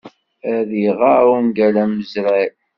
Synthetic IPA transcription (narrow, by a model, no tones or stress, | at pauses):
æðiʁamɡælæmːəzɾæ